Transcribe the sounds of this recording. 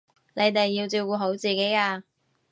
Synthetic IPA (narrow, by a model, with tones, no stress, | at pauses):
ne˨˧jt̪e˨jːi˧wt͡siː˧wkuː˧ɦo˨˥wt͡siː˨ke˨˥jaː˧